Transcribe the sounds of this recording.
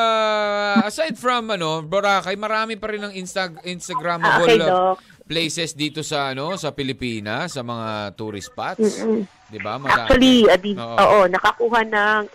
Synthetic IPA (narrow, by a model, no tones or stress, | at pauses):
a | ɐsajd̪̚fɹɐmɐno̞boɾakɐjmɐɾaːmɪpɐɾɪnɐŋɪnst̪ɐɪnst̪ɐɡɾamɐʔoejlok | plejsɛsd̪iːt̪o̞sɐʔɐno̞sɐpɪlɪpiːnɐsɐmɐŋat̪uːɾɪ̰spat̪̩ː | d̪ɪba̰mɐʔa̰at͡ʃuɐliɐd̪io̰ːʔʔoːʔonɐkɐkuːɦɐnɐŋ